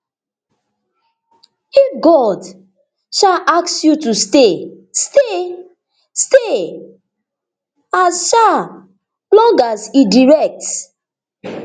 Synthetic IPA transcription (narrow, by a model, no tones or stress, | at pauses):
ifɡɔd | ʃaʔaksjutuste | ste | ste | asʃa | plɔ̃ɡasidiɹɛk̚t